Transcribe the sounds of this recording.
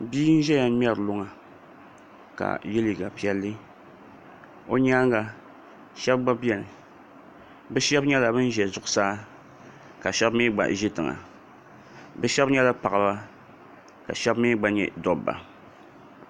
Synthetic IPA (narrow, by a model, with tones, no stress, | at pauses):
biː˦n̩˦ʒɛ˦ja˨˦m˦ɛ˦ɾlʊ˦ŋa˨ | ka̰˨je˦li˨ɡa˨pi˨ɛ˦lːɨ˦ | o˦ɲaː˦ŋɡa˨ | ʃɛ˦bɡ͡ba˦bi˦ɛ˨nɨ˨ | bɛ˦ʃɛ˦bɲɛ˦la˨bɨ˦n˦ʒɛ˨zʊ˨ʔʊ˨saː˦ | ka˨ʃɛ˦bmi˦ɡ͡ba̰˨ʒɪ˦tɨ˨ŋa̰˨ | bɛ˦ʃɛ˦bɲɛ˦la˦pa˨a˨ba˦ | ka˨ʃɛ˦bmiː˦ɡ͡ba˦ɲɛ̰˦dɔ˦bːa̰˨